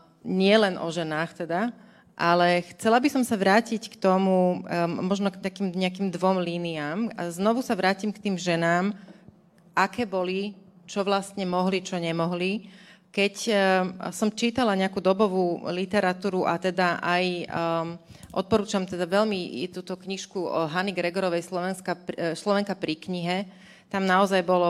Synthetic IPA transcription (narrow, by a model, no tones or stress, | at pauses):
ɲɪɛlɛnʔɔ̰ʒɛnaːxt̪ɛd̪a | ʔalɛxt͡sɛlabisɔmsaʋɾaːcickt̪ɔmumɔʒnɔkt̪akiːmɲɛakiːmd̪ʋɔmliːniaːma̰znɔʋusaʋɾaːcimkt̪iːmʒɛnaːm | ʔakɛːbɔli | t͡ʃɔʋlast̪ɲɛmɔɦlit͡ʃɔɲɛmɔɦlikɛc | sɔmt͡ʃiːt̪alaɲɛakuːd̪ɔbɔʋuːlit̪ɛɾat̪uːɾuʔa̰t̪ɛd̪aʔaj | ʔɔ̰t̪̚pɔɾuːt͡ʃamt̪ɛd̪aʋɛʎmit̪uːt̪ɔkɲiʃkuɦaniɡɾɛɡɔɾɔʋɛjslɔʋɛnskaslɔʋɛŋkapɾikɲiɦɛ | t̪amnaɔzajbɔlɔ